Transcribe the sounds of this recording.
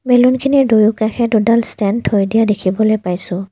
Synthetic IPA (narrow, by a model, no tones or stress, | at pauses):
belunkʰinidojukaxʰɛdudalstɛntʰojdijadekʰibɔlojpajsʊ̃